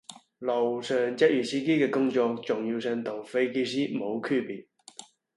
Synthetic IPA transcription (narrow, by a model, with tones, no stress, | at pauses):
lo˨˩wsœː˨ŋt͡sɐ˥t̚jyː˨˩siː˥ke˥kɛː˧kʊ˥ŋt͡ʃɔː˧k̚t͡sʊ˨ŋjiː˧wsœː˧ŋt̪ʰʊ˨˩ŋfe˧˥jke˥siː˥mo˨˧wkʰyː˥piː˨t̚